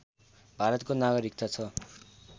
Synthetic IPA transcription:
bʱaɾʌt̪konaɡʌɾikt̪at͡sʰʌ

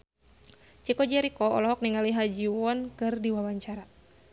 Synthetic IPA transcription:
t͡ʃikɔd͡ʒɛɾikɔɔlɔɦɔk̚niŋaliɦad͡ʒiwɔnkɨrdiwawaɲt͡ʃaɾa

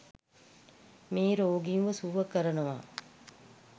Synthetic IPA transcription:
miːɾoːɡiuʋəsuːʋəkɐɾɐnuʋa̰ː

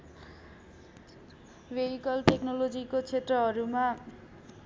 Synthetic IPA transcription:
beɾikʌlʈeknolod͡zikot͡sʰet̪rʌɦʌɾuma

